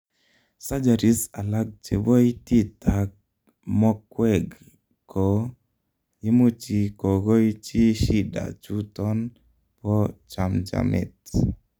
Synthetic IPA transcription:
sa˦d͡ʒa˨ɾi˦sa˨la˦ɡ̚t͡ʃe˨bo˦i˦ti˦ta˨k | mɔ˦kwɛ˨ɡ | kɔ˨ | ɪ˦mu˦t͡ʃi˦ko˨ɡo˦i˦t͡ʃi˦ʃi˦da̰˨t͡ʃu˦tɔ˦n | pɔ˦t͡ʃa˨md͡ʒa̰˨mɛ̰˨t

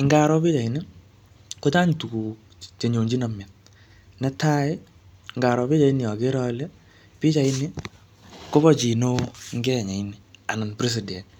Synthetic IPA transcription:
ɪ˨ŋɡa˨ɾɔ˦pi˦t͡ʃa˨i˨ni˦ | ko˦t͡ʃa˦ɲtu˨ku˨k | t͡ʃe˨ɲo˨ɲd͡ʒi˦na˨mja˨t̚ | nɛ˦ta˦ɪ˦ | ŋɡa˨ɾɔ˨bi˦t͡ʃa˨i˦nɪ˨jɔ˨ke˦ɾɔ˦lɛ˦ | pi˦t͡ʃa˨i˦nɪ | ko˦βɔ˦t͡ʃi˨no˦ŋɡɛ˦˨ɲa˨inia˨na˨npɾi˦s̬i˨dɛ˨n

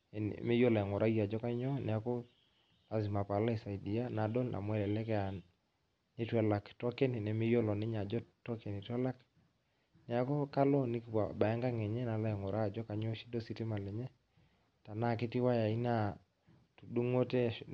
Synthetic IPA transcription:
n̰me˦jo˦la˨ŋɔ˨ɾʔa˦ja˨d͡ʒɔ˦ka˦ɲɔ˦nɛ˨a˨kɔ˦ | a˨zi˨ma˨pa˨la˦i˨sa˨i˨di˨a˦na˨dɔ˦lnʔa̰˨mwɛ˦lɛ˨lɛ˦kɛ˦a˨ | nɪ˦twɛ˨la˨ktɔ˦kɛ˦ni˨nɛ˨mɪ˦jo˦lɔ˨nɪ˦ɲa˨d͡ʒɔ˦tɔ˦kɛ˨ni˨twɛ˦la˦k | nɛ˨a˨kɔ˦ka˦lɔ˦ni˦kpa˨ba˨a˦ŋɡa˦ŋɛ˨ɲɛ˦na˨la˦ɛ˨ŋɔ˨ɾʔa˦˨d͡ʒɔ˦ka˨ɲɔ˦ʃi̥˦dɔ˦si˦tɪ˦ma˨lɛ˨ɲɛ˦ | ta˨na˦˨kɪ˦ti˦wa˦ja˨i˦na˦˨ | tu˨du˦ŋo˦tɛ˦

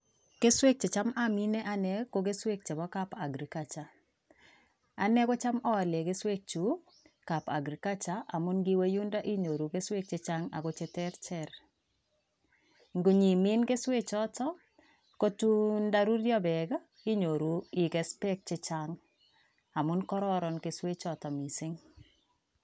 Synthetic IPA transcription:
ke˦swe˦k̚t͡ʃe˨t͡ʃa˦ma˦mi˦nɛ˦ʔa˦nɛ˦ko˦ɡe˦swe˦k̚t͡ʃe˨bɔ˦ka˦pa˨ɡɾi˨ka˨t͡ʃa˨ | a˨nɛ˦ko˦t͡ʃa˦mɔ˦˨le˨ɡe˦swe˦k̚t͡ʃu˨ | ka˨pa̰˨ɡɾi˨ka˦t͡ʃa˦ʔa˨mʊ˦nɡi˦we˦ju˦nda˦ʔi˦ɲo˨ɾu˨ɡe˦swe˦k̚t͡ʃe˨t͡ʃa˦ŋa̰˨ɡo˦t͡ʃe˨tɛ˦ɾt͡ʃɛ˦ɾ | ŋɡo˨ɲi˨mi˦nke˦swe˦t͡ʃɔ˦tɔ˦ | ko˦tu˦nda˦ɾu˦ɾjɔ˦bɛ˨ɡa˦ | i˦ɲo˨ɾu˨i˨ɡɛ˨spɛ˦k̚t͡ʃɪ˦t͡ʃaŋ | a˨mʊ˦nkɔ˦ɾɔɾɔ˨nke˨swe˦t͡ʃɔ˨tɔ˨mi˨sɪ˦ŋ

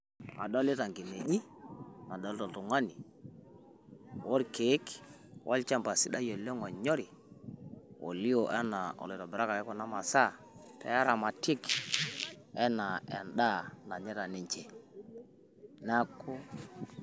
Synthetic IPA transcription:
a̰˨ɗɔ˦lɪ˦ta˨ŋɡi˨me˨ʄi˦na˨ɗɔ˨˦ltɔ˨ltu˨ŋa˦ni˨ | wo˦ɾke˨˦k | wʔa̰˦lt͡ʃa˦mpa˨si˨ɗa˦jo˨le˦ŋɔ˨ɲɔ˦ɾi˨ | o̰˨li˦o˨ʔa˦na˨ɔ̰˨le˨ɾɔ˨bɪ˨ɾa˦ka˨kɛ˦kɔ˦na˦ma˨sa˦˨ | tɛ̰˨ja˦ɾa˨ma˨tɪ˦k | ɛ˦na˨ɛ˨nɗa˦na˨ɲɛ˦ɾa˨ni˨ɲt͡ʃe˨ | na˦ko˦

